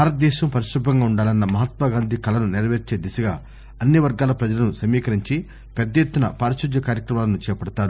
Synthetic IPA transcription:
baːɾɐt̪̚d̪ɛːʃɐmpɐɾiʃɾubɐŋɡaːuɳɖaːlɐnːɐmɐɦɐt̪ʋaːɡaːnd̪ʱikɐlɐnuniɾɐʋeːɾt͡ʃeːd̪isɐɡa̰ː | ɐnːiʋɐɾɡaːlɐpɾɐd͡ʒɐlɐnusɐmiːkɐɾiɲt͡ʃi | pɛd̪ːɐjet̪ːunɐpaːɾɐʃud̪jɐkaːɾjɐkɾɐmaːlɐnut͡ʃɛːpɐɽɐt̪aːɾu

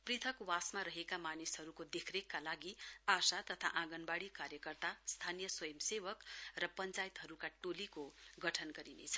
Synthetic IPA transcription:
prit̪ʰʌkwasmaɾʌɦekamanisɦʌɾukod̪ekʰrekːalaɡiasat̪ʌt̪ʰa̰ʔãɡʌnbaɽikaɾjʌkʌrt̪ast̪ʰanijʌswʌjʌmsebʌkrʌpʌnt͡sajit̪ɦʌɾukaʈolikoɡʌʈʰʌnɡʌɾinḛt͡sʰʌ̥

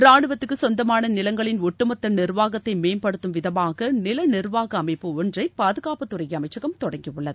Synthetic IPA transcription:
ɾaːɳɯʋɐt̪ːɯkːɯsɔnd̪ɐmaːnɐnɪlɐŋɡɐɭɪnɔʈːɯmɐt̪ːɐnɪrʋaːɣɐt̪ːɐɪmeːnpɐɽɯt̪ːɯmʋɪðɐmaːɣɐnɪlɐnɪɾʋaːɣɐːmɐɪpːɯɔndrɐɪpaːðɯɣaːpɐt̪ːʊrɐjɐɐmɐɪt͡ʃːɐɣɐmt̪ɔɽɐŋɡijɯɭːɐðɯ

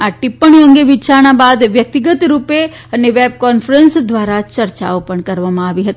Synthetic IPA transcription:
aʈɪpːəɳ̃ə̃ŋɡeʋɪt͡ʃaːɾɽ̃abaːd̪ʋjɐk̚t̪ɪɡət̪ɾuːpe | ɐneʋeːb̚kɔːnfʰɾənsd̪ʋaːɾat͡ʃɐɾt͡ʃaːopəɳ̃kɐɾʋamãaːʋiɦɐt̪i

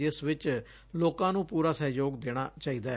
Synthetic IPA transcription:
ɪsʋɪt͡ʃ | loːkãːnũːpuːɾaːsəɦjoːɡd̪eːɽ̃aːt͡ʃaːiːd̪aː

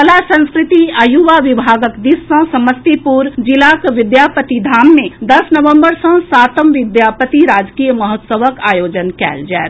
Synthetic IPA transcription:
ɐlasə̃nskɾɪt̪iəjuʋaʋɪbʱaːɡəkd̪ɪsːə̃sɐməst̪ipuːɾd͡ʒɪlaːkʋɪd̪jaːpət̪id̪ʱaːmːẽd̪ɐsnɐʋə̃mbəɾsə̃saːt̪əmʋɪd̪jaːpət̪iɾaːd͡ʒkijəmɐɦət̪səʋəkaːjoːd͡ʒənkɛ̰ːld͡ʒɛːɾ

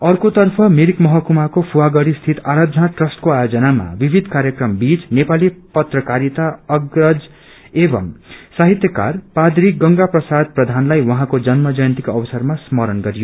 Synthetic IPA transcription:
ʌrkot̪ʌrpʰʌmiɾikmʌɦʌkumakopʰuwaɡʌɽist̪ʰit̪aɾad̪ʱʌnaʈrʌsʈkoajod͡zʌnama̰bibʱid̪ʱkaɾjʌkrʌmbit͡snepalipʌt̪rʌkaɾit̪aʌɡrʌd͡z | ebʌ̰msaɦit̪jʌka̰rpad̪ɾikɡʌŋɡaprʌsad̪̚prʌd̪ʱanlajwʌɦãkod͡zʌnmʌd͡zʌjnt̪ikoʌbʌsʌrmasmʌɾʌnɡʌɾijo

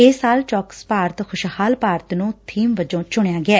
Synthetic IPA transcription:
ɪːsaːlt͡ʃɔːkspaːɾət̪xʰʊʃhaːlpaːɾət̪nũːt̪ʰiːmʋəd͡ʒõːt͡ʃʊɳjaːɡɪaː

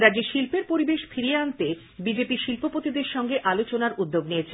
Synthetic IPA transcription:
ɾad͡ʑeʃilpeɾpoɾibeʃfʰiɾieant̪e | bid͡ʑepiʃilpopot̪id̪eɾʃɔŋɡeʔalot͡ɕonaɾʔud̪ːoɡnijet͡ɕʰe

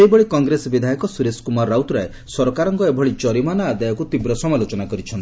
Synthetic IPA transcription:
eibɔɭikɔŋɡɾesɔbid̪ʱajɔkɔsuɾeskumaɾawt̪ɾae | sɔɾɔkaɾɔŋkɔebʱɔɭit͡ʃɔɾimanɔad̪ajɔkut̪ibɾɔsɔmalot͡ʃɔnakɔɾit͡ʃʰɔnt̪i

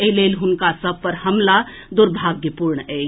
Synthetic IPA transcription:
eleːlɦʊnkasɐb̚pəɾhɐmla | d̪ʊɾbʱaːɡjəpuːɾɳɛː

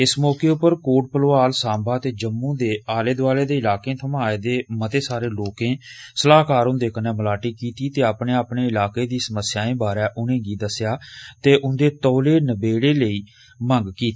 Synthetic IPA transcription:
ɪsmɔːkeːʊpːəɾkoːʈ̚pəloːaːlsãːbaːt̪eːd͡ʒəmːũːd̪eːaːleːd̪aːleːd̪eːɪlaːkẽːt̪ʰəmaːeːd̪eːmət̪eːsaːɾeːloːkẽːsəlaːkaːɾʊ̃nd̪eːkəneːməlaːʈiːkiːt̪iːt̪eːapɳeːapneːɪlaːkeːd̪iːsəməsjaːẽːbaːɾɛːʔʊnẽːɡiːd̪əsɪjaːt̪eːʔʊnd̪eːt̪ɔːleːnəbeːɽeːləiː | məŋɡkiːt̪eː

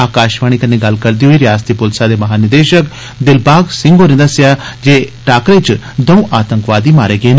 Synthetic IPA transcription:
aːkaːʃʋaːɽ̃iːkəneːɡɐlkəɾd̪iːɦoːiːɾɪjaːst̪ipʊlsaːd̪eːmɐɦaːnɪd̪eːʃək | d̪ɪlbaːɡsɪ̃ŋɡoːnẽd̪əsɪjaːd͡ʒeːʈaːkɾet͡ʃ | d̪əũːʔaːt̪ə̃ŋkʋaːd̪iːmaːɾeːɡeːn

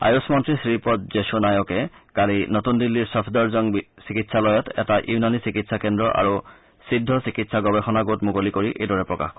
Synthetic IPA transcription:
a̰josmɔntɹisɹipɔt̚zesunajɔkɛkalinotundilːiɹsɔpʰdɔɹzɔŋbsikitsʰalɔjɔtʰɛ̰taʔjunanisikitsʰakendɹɔʔa̰ɹu | sidʱːɔsikitsʰaɡɔbexɔnaɡotmukolikoɹiʔḛjdɔɹɛpɹɔka̰x

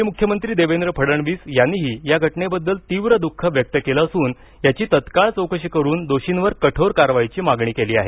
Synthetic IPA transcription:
ɦimukʰjəmənt̪ɾiːd̪eʋend̪ɾəpʰəɽəɳʋiːsjanːiɦiːjaɡʱəʈɳebəd̪ːəlt̪iʋɾəd̪ukʰːəʋjək̚t̪əkelaəsuːn | jat͡ɕiːt̪ət̪kaɭt͡səwkəɕəkəɾuːnd̪oɕinʋəɾkəʈʰoɾkaɾʋajit͡ɕiːmaɡɳiːkeliːaɦe

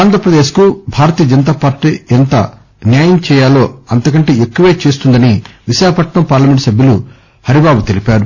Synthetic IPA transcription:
aːnd̪ʱɾɐpɾɐd̪eːʃkubʱaːɾɐt̪ijɐd͡ʒɐnɐt̪̬aːpaːɾʈːiːent̪ɐ̰ | njaːjɐmt͡ʃɛːjaːlo̞ːɐnt̪ɐkɐɳʈeːekːuʋeːt͡ʃeːs̬t̪und̪ɐniʋiʃaːkɐpɐʈɳɐmpaːɾlɐme̞ɳʈsɐbʱjɐlu | hɐɾibaːbut̪e̞lipaːɾu

